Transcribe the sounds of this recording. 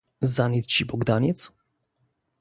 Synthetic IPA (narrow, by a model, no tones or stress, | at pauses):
zanʲɛt̪t͡ɕibɔɡd̪aɲʲɛt̪s